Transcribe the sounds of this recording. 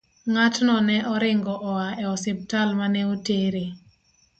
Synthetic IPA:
ŋatnɔnɛʔɔɾɪŋɡɔʔɔaɛɔsɪp̚talmanɛoteɾe

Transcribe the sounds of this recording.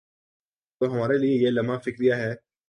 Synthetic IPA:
t̪oɦɐmaːɾeliejelɐmafɪkɾijaɦɛː

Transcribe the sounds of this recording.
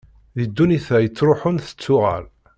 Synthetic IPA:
ðid̪ːuniθæjət͡sːɾʊħʊnθə̥t͡sːʊʁæ̰l

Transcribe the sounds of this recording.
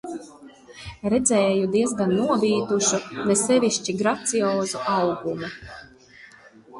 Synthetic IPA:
ɾɛd̪zɛːjud̪iɛzɡanːuɔbiːt̪uʃunɛsɛvʲiʃt͡ʃiɡɾat̪siɔːzuʔawɡumu

